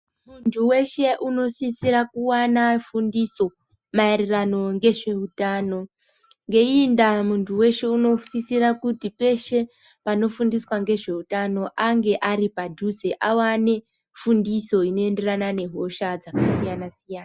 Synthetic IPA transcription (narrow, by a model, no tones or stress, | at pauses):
muntʰuwe̞ʃe̞ʔuno̞sisirakuwanafundiso̞ | maerirano̞ŋɡe̞ʐe̞utaːno̞ | ŋɡe̞indamuntʰuwe̞ʃe̞uno̞sisirakutipe̞ʃe̞ | pano̞fundiswaŋɡe̞ʐe̞utano̞ʔaŋɡe̞ʔaɾipadʱuzeʔawane̞ | fundiso̞ino̞e̞nde̞ranane̞ɦo̞ʃad͡zakasijanasijaːna